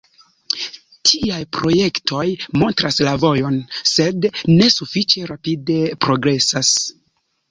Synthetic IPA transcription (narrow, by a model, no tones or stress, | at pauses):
tʰiajpɾo̞je̞ktʰo̞jmo̞ntɾaslavo̞jo̞nse̞dne̞sufit͡ʃe̞ɾapide̞pɾo̞ɡɾe̞sas